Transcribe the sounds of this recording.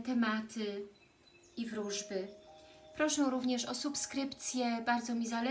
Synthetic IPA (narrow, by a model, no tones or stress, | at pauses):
t̪ɛmat̪ʰɘ | ivɾuʐbɘpɾɔʂɛɾuvɲɛʂɔsupskɾɘpt̪sʲjɛbaɾd̪zɔmʲizalɛ